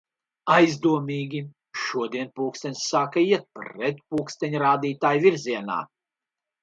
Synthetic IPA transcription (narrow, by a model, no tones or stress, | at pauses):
ajzd̪uɔmʲiːɡʲi | ʃuɔd̪iɛnpuːkst̪ɛnʲsːaːkaiɛt̪̚pɾɛt̪̚puːkst̪ɛɲʲɾaːd̪iːt̪aːjvʲiɾzʲiɛna̰ː